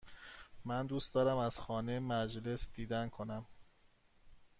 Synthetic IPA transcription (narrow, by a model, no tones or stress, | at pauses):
mænd̪uːst̪d̪ɒːɾæmæz̥xɒːnemæd͡ʒle̞sd̪̥iːd̪ænkʰo̞næm